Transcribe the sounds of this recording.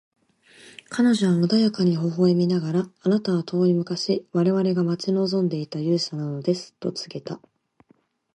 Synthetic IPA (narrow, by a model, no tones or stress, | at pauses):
kʰano̞ʑo̞βamɯd̪ajakaɲ̟iɦo̞ɦo̞ːemʲinaɡaɾaːnat̪aβat̪ʰo̞ːimɯ̟kaɕiβaɾe̞βaɾe̞ɡamat͡ɕino̞ːzõ̞nd̪e̞it̪ajɯ̟ːsanano̞d̪e̞sɨ̥t̪o̞t͡sɨ̥ɡe̞t̪a